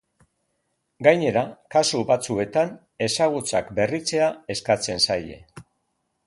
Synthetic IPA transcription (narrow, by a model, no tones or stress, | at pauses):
ɡajɲe̞ɾakasuβat͡sue̞t̪an | e̞saɣ̞ut͡sakbe̞rit͡se̞ae̞skat͡se̞nsaje̞̰